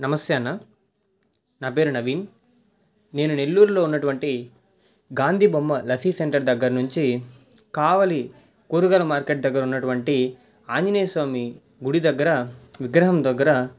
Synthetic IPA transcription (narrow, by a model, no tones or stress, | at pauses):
nɐmɐsjaːnːa | nɐpeːɾunɐʋiːn | ne̞ːnune̞lːuːɾuloːunːɐʈuʋɐɳʈi | ɡaːnd̪ʱibomːɐlɐt̪ʰiseɳʈɐɾd̪ɐɡːɐɾɐnuɲt͡ʃi | kaːʋɐli | koːɾuɡɐlɐmaːɾkeʈ̚d̪ɐɡːɐɾɐunːɐʈuʋɐɳʈi | aːɲd͡ʒineːsʋaːmi | ɡuɽid̪ɐɡːɐɾɐʋiɡɾɐɦɐmd̪ɐɡːɐɾɐ